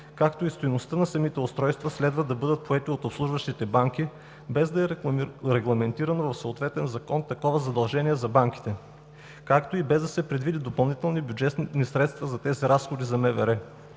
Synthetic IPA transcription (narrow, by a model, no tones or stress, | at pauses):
kakt̪oist̪ojnost̪ənɐsɐmit̪ɛʊst̪ɾɔjst̪vɐslɛd̪vɐd̪ɐbɤd̪ət̪̚poɛt̪iot̪opslˠuʒvɐʃt̪it̪ɛbaŋki | bɛzd̪ɐɛɾɛɡlˠɐmɛnt̪iɾɐnovɐfsoːt̪vɛt̪ɛnzɐkɔnt̪ɐkɔvɐzɐd̪ɐlˠʒɛniɛzɐbaŋk̟i̥t̪ɛ | kakt̪oibɛzd̪ɐsɛpɾɛd̪vid̪id̪opɐlˠnit̪ɛlˠnibʲjud͡ʒɛtt̪nisɾɛt̪st̪vɐzɐt̪ɛziɾasxod̪izɐmɛvɛɾɛ